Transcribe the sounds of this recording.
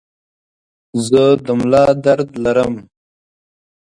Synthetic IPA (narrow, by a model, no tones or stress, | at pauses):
zəd̪əmlɑːd̪ɐɾd̪lɐɾəm